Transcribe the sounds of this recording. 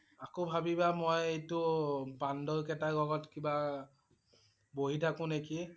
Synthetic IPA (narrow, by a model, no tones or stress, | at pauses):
akobʱabibamojejtʊbandɔɹkɛtaɡɔɡɔtkiba | boɦitʰakʊ̃neki